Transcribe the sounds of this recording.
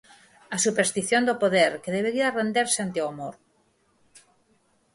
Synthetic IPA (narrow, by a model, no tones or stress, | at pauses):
asupeɾst̪iθjond̪opoðeɾkeðeβeɾiarend̪eɾseant̪eoamoɾ